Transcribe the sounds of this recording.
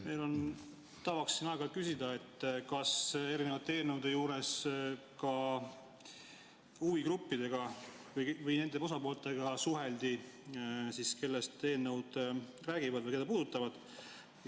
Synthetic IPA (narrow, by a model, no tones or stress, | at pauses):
me̞jlo̞n | t̪ɑvɑksːinɑeɡɑlt̪̚kysid̪ɑe̞t̪ːˑkɑse̞ɾine̞vɑt̪ːˑee̞ːnːewd̪̥e̞juːɾe̞s | kɑ | uviɡɾupːid̪̥e̞ɡ̥ɑ | vɯjvɯjne̞nd̪̥e̞o̞s̬ɑpo̞ːlt̪ːˑe̞ɡɑsuɦe̞ld̪i | siske̞lːest̪e̞ːnːe̞wd̪̥ | ræːɡ̥ivɑd̪vɯjke̞d̪ɑpuːd̪̥ut̪ːˑɑvɑd̪̥